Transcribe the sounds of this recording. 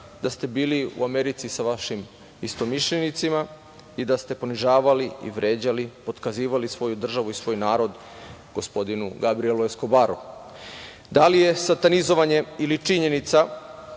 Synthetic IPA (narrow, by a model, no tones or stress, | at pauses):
d̪ast̪e̞biːliṵame̞ɾit̪sisaʋaʃim | ist̪o̞miʃʎenit̪sima | id̪ast̪e̞po̞niʒaːʋaliḭʋɾe̞ːd͡ʑalipo̞d̪kaziːʋalisʋo̞jud̪r̩ʒaʋuisʋo̞ːjnaːɾo̞d̪ | ɡ̥o̞spo̞d̪inṵɡabɾieluesko̞baɾṵ | d̪alije̞sat̪anizo̞ʋaɲe̞ilit͡ʂiɲe̞nit̪sa